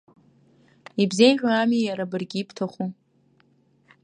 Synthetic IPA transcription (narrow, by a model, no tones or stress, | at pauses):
ibze̞jʒʲʷᶣaamijaɾabɨrɡʲiːpʰtʰaχʷu